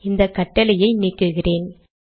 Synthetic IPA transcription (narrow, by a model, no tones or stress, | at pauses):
ɪnd̪ɐkːɐʈːɐlɐjɐɪniːkːɯɣɪreːn